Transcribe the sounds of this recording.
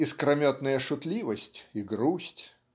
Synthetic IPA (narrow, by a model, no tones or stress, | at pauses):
ɪskɾɐmʲot̪nəjəʂʊt̪lʲivəsʲtʲɪɡɾusʲtʲ